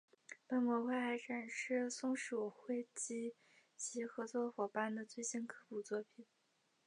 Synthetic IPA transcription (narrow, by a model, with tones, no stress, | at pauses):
pa˥˩nmwɔ˧˥xwe˥˩xa˧˥ɪʈ͡ʂʰa˨˩nʂɻ̩˥˧sʊ˥ŋʂu˨˩xwe˥˩ɪt͡ɕi˥ | t͡ɕʰi˧˥xɤ˧˥t͡swɔ˥˩xwɔ˨˩pa˥nd̪ə˨t͡swe˥˩ɪɕi˥nkʰɤ˥pu˨˩t͡swɔ˥˩pʰi˨˩˦n